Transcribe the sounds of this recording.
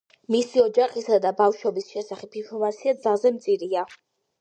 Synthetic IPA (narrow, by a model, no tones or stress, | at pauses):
misiɔd͡ʒaχisad̪abafʃwɔbisʃɛsaχɛpipʰɔvat̪sʰiad̪zalˠzɛmt̪sʼiɾia